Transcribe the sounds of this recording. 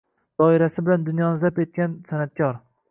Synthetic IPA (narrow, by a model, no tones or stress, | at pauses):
d̪̥ɒɪɾasɪbɪland̪ʊnjɒnɪzape̞t̪̚kʲansanat̪̚kʲɒɾ